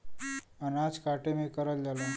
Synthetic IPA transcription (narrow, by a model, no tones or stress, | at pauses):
ənad͡zkaʈemekəɾət̪d͡ʒalẽ